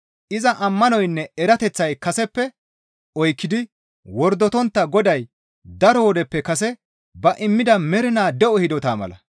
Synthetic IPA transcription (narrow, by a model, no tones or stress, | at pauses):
ʔɪzɐʔɐmːɐnɔjnːɛɛɾɐt̪ɛt͡sːɐjkɐsɛpːɛ | ɔjkːɪd̪ɪ | wɔɾd̪ɔt̪ɔnt̪ːɐɡɔd̪ɐj | d̪ɐɾɔwɔd̪ɛpːɛkɐsɛ | bɐʔɪmːɪd̪ɐmɛɾɪnaːd̪ɛʔɔhɪd̪ɔt̪aːmɐ̰lɐ̰